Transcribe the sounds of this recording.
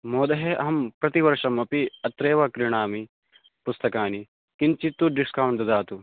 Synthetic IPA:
moːd̪ɐɦeʔɐɦɐmpɾɐt̪iʋɐɾʂɐmɐpiɐt̪ɾeːʋɐkɾiɳaːmi | pust̪ɐkaːni | kint͡ʃit̪ːuɖiskaːwɳʈd̪ɐd̪aːt̪u

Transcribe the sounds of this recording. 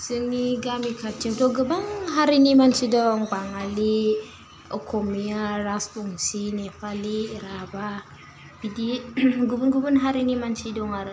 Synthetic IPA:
səŋiɡamikʰat͡ʃːimtoɡəbaŋɦaɾinimant͡ʃidoŋbaŋali | okʰomiaɾasbuŋsinefaliɾaba | pidiɡubunɡubunɦaɾinimant͡ʃidoŋaɾ

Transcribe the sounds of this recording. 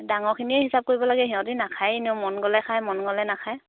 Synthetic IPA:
daŋɔɹkʰiniɛɦisap̚koɹibɔlaɡɛɦiɔ̃tinakʰajiniomɔnɡɔlɛkʰajmɔnɡɔlɛnakʰaj

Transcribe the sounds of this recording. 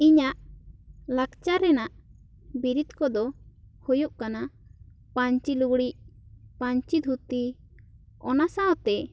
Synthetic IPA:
iɲaʔ | lakt͡ʃaɾɛnaʔ | biɾid̪kɔd̪ɔhujuʔkana | paɲt͡ʃiluɡɽicpaɲt͡ʃid̪ʱut̪i | ɔnasaɔ̃t̪ɛ

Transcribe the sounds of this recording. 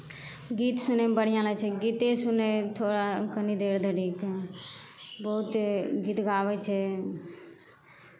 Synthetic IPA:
ɡiːt̪sʊnebəɽjãːlat͡ʃʰeɡiːt̪esʊnet̪ʰoːɽakənid̪eːɾd̪əɽiːk | bəʊt̪ɡiːt̪ɡaːʋet͡ʃʰe

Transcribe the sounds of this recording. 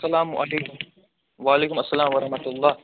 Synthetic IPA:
ɐlaːmʔɐ̰leːk | ʋaːleːkʊmɐsːɐlaːmwɐɾɐhmɐt̪ʊlˤːɑː

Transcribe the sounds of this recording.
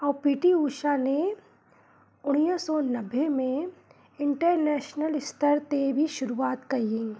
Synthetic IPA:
ɔːpiːʈiuːʃane | ʊɽ̃isɔnɐbːemẽ | ɪ̃ɳʈəɾnɛːʃnəlɪst̪əɾt̪ebʱiʃʊɾuaːt̪kɐɦiẽ

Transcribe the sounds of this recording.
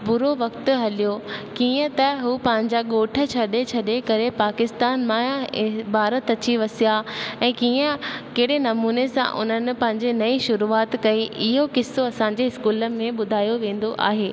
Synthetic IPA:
pʊɾoʋɐkt̪ʊ̆ɦɐlijokiːə̃t̪ɐɦuːpɐ̃ɦɪ̃ɲd͡ʑaɠoːʈʰə̆t͡ɕʰɐɗet͡ɕʰɐɗekɐɾepaːkɪst̪aːnmãbʱaːɾət̪ɐt͡ɕiʋɐsijaɛ̃ːkiːə̃keɦɪɽenɐmuːnesã̰ʔʊ̰n̤ənɪ̆pɐ̃ɦɪ̃ɲ̆d͡ʑenɐiʃʊɾuaːt̪kɐiʔɪɦokɪsːoɐsãɲd͡ʑeɪskuːləmẽɓʊd̪ʱaːjoʋẽːn̆d̪oʔa̰ːɦeː

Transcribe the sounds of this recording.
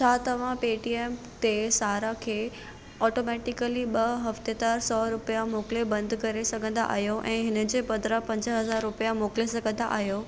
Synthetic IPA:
t͡ɕʰaːt̪ɐʋ̤ãpeːʈieːm | t̪esaːɾakʰeː | ɔːʈomɛːʈɪkəliɓɐɦɐft̪et̪aːɾsɔːɾʊpijamoːklebɐ̃nd̪kɐɾesɐɡʱə̃nd̪a̰ʔa̰ːɦijoʔɛ̃ːɦɪnə̆d͡ʑeːpɐ̃nd̪ɾapɐ̃ɲd͡ʑəɦɐzaːɾːʊpjamoːklesɐɡʱə̃nd̪a̰ʔa̰ːɦjoː

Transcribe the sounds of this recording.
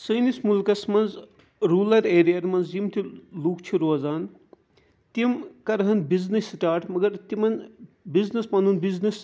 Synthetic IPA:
sɐjnismulkɐsmɐnz | ɾuːlɐɾeːɾijaɾmɐnzimt̪ʰiluːkt͡ʃʰiɾoːzaːn | t̪imkɐɾɦɐnbiznisʈaːɾʈʰmɐɡɐɾt̪imɐn | biznismɐnunbiznis

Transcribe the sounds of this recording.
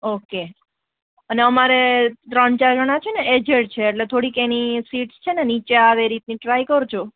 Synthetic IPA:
oke | əneəmaɾet̪ɾəɳt͡ʃaɾd͡ʒəɽ̃at͡ʃʰeneed͡ʒeɽt͡ʃʰeːʈlet̪ʰoɽikenisiʈst͡ʃʰenenit͡ʃeaʋeɾit̪niʈɾajkəɾt͡ʃʰo

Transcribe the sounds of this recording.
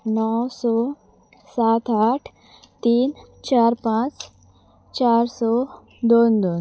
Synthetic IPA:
nɔwsɔ | sat̪aʈʰ | t̪iːn | t͡ɕaɾpãt͡s | t͡ɕaɾsɔ | d̪ond̪on

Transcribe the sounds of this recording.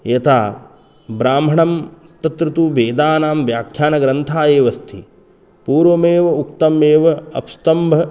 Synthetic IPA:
jɐt̪ʰaː | bɾaːmʱɐɳɐm | t̪ɐt̪ɾut̪ubeːd̪aːnaːmʋjaːkʰjaːnɐɡɾɐnt̪ʰaːjeːʋɐst̪ʰi | puːɾʋɐmeːʋɐukt̪ɐmeːʋɐɐ̰pst̪ɐmbʱɐ

